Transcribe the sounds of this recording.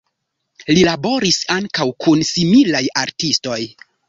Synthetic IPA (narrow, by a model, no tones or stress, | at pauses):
lilabo̞ɾisaŋkawkʰunsimilajaɾtisto̞j